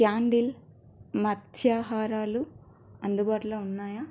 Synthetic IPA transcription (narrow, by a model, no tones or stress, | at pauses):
kjaːɳɖil | mɐt̪ʰjaːɦaːɾaːlu | ɐnd̪ubaːʈlɐunːaːjaː